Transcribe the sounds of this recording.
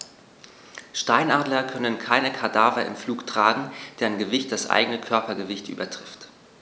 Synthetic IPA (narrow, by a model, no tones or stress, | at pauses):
ʃtaɪnʔaːdlɐkʰœnənkʰaɪnəkʰadaːvɐʔɪ̰mfluːktʁ̥aːɡŋ̩d̥eːɐɪnɡəvɪçt̚d̥asʔa̰ɪɡənəkʰœɐpɐɡəvɪçtʔy̰ːbɐtʁ̥ɪft